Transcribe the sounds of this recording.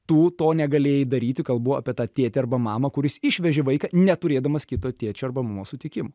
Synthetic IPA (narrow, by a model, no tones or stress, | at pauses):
t̪uːt̪oːnʲɛɡɐlʲeːjɪd̪ɐɾʲiːt̪ʲɪkɐlˠbuʋoːɐ̰ːpʲiɛt̪ɑːt̪ʲeːt̪ʲɪɐrbɐmɑːmɐkʊɾʲɪsɪʃʲʋʲɛʒʲɪʋɐɪkɑnʲɛt̪ʊɾʲeːd̪ɐmɐskʲɪt̪oːt̪ʲeːt͡ʃʲɛɐrbɐmumoːsʊt̪ʲɪkʲɪmo